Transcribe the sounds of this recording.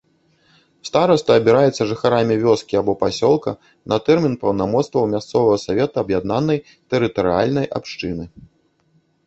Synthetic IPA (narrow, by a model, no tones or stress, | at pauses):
st̪aɾɐst̪ɐːbʲiɾajɛt̪sːɐʐɨxaɾamʲivʲɔskʲiabɔpasʲɔlˠkɐ | nʔɐt̪ɛrmʲinpɐwnamɔt̪st̪vɐwmʲast̪sɔvɐɣɐsavʲɛt̪ɐɐbjad̪nanːɐj | t̪ɛɾɨt̪ɐɾɨa̰lʲnɐjʔa̰pʂt͡ʂɨnɨ